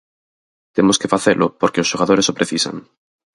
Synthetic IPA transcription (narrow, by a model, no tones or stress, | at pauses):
t̪emoske̞faθelʔopoɾkeosʃo̞ɣaðoɾeopɾeθisa̰ŋ